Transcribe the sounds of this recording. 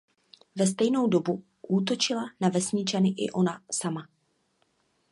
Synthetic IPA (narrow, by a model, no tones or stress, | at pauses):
vɛs̬t̪ɛjno̞wdo̞bu | ʔuːt̪̬o̞t͡ʃɪlanavɛsɲɪt͡ʃanɪʔɪ̰ʔo̞nasama